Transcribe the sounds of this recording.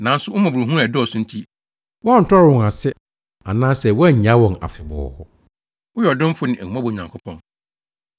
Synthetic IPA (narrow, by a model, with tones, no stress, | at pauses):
nã˨˦n̩˦sʊ˦ʊ˦mã˨bʊ˨ɾu˨ɦũ˦ɾa˨dɪ˦ɔ˨sʊ̃˦n̩˦tʰi˦ | wɔ̃˦a˦n̩˨tʰɔ˦ɾʊ̃˨ŋa˨sɪ˦ | a̰˨nãː˦sɛ˨wɔ˦ɛ˦ɲ˨ɲ˨ã˦wɔ̃˨na̰˨fɪ˨bɔ̰ː˨hʊ˦ | ʊ˦jɔ˨dɪ̃˦m̩˦fʊ˦nɪ̃˨ʔæ˨hũ˨mã˦bo˨ɲã˨ŋkʰʊ˦pʰɔ̰̃˨n